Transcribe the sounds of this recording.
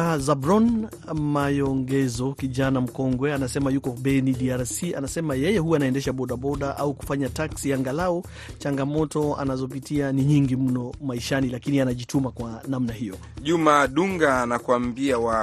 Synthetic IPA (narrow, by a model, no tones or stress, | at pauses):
azabɾɔn | majɔŋɡɛzɔkiʄanam̩kɔŋɡwɛanasɛmajukɔɓɛniɗiaɾsia̰nasɛmajɛjɛɦuaːnaɛndɛʃaɓɔɗaɓɔɗaʔauku̥faɲataksiaŋɡalaɔ | t͡ʃaŋɡamɔtɔa̰nazɔp̬itianiɲiŋɡim̩nɔmaiʃanilakinianaʄitumakwanamnahijɔ | ʄumaɗuŋɡaːnakwambiawa